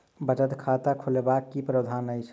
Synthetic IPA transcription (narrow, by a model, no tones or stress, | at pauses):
bət͡ʃət̪kʰat̪akʰulebakːipɾəd̪ʱanəjt͡ʃʰ